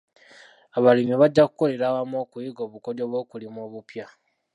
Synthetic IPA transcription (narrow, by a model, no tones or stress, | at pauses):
aβalimiβaɟːaku̥ko̞le̞ɾaːwamoːkuiɡo̞ːβukodo̞βwoːkulimoːβupja